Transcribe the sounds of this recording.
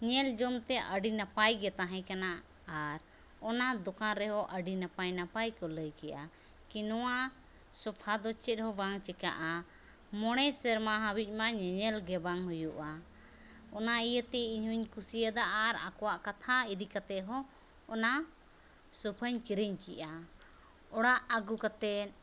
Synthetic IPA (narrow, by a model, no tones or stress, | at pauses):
ɲɛld͡ʒɔmt̪ɛʔəɖinapajɡɛt̪aɦɛ̃kana | aɾ | ɔnad̪ɔkaɾɛɦɔʔəɖinapajnapajkɔləjkɛjʔa | kinɔwa | sɔpʰad̪ɔt͡ʃɛt̪̚hɔbaŋt͡ʃɛka̰ʔa | mɔɽ̃ɛsɛɾmaɦabic̪̚ˀmaɲɛɲɛlɡɛbaŋhujuʔa | ɔnaijət̪ɛiɲhuɲkusijəd̪aʔaɾa̰kɔwaʔkat̪ʰaid̪ikat̪ɛʔɦɔː | na | sɔpʰəɲkiɾəɲkiʔa | ɔɽaʔaɡukat̪ɛn